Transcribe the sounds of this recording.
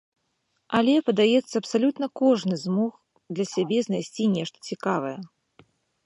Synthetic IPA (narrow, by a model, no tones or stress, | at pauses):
ɐlʲɛpɐd̪ajɛt̪sːɐɐpsalʲut̪nɐkɔʐnɨzmɔx | d̪lʲɐsʲabʲɛznajsʲt͡sʲinʲɛʂt̪ɐ̥t͡sʲikavɐjɛ